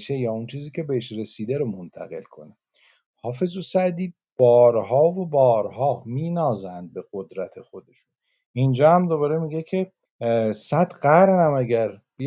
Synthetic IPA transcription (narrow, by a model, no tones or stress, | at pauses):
ʃejɒːunt͡ʃʰiːziːcʰe̞beeʃɾe̞siːd̪æɾomont̪ʰæ̰ɣe̞̰lkʰo̞̰ne | hɒːfe̞zosæd̪iː | b̥ɒːɾhɒːvo̞bɒːɾhɒːmiːnɒːzænd̪̚be̞ɣ̥od̪ɾæt̪ʰe̞xo̞d̪e̞ʃun | ind͡ʒɒːhæmd̪o̞βɒːɾe̞miɟe̞kʰe̞ | sæd̪ɢæɾnæmæɟæɾb̥i